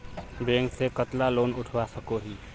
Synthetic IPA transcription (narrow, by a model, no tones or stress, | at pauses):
beːŋksekət̪laloːnʊʈʰwasəkoɦiː